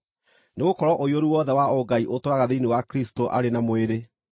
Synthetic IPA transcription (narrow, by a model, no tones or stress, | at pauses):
neɣokɔɾɔʔojoɾuwɔðɛwaoɡaiʔotoaɣaðeinewakɾistoʔa̰ɾenamoeɾe